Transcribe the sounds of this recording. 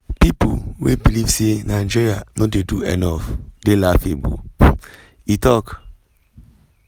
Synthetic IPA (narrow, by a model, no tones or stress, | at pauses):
pipṵwḛbilivsenad͡ʒiɹianɔdeduɛ̰nɔfdelafebo̰ | itɔk